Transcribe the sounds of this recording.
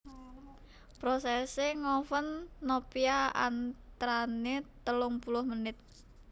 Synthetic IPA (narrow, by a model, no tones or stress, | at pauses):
pɾosɛseŋɔfənːopiaa̰nt̪ɾanet̪əlʊŋpulʊhmənɪt̪̚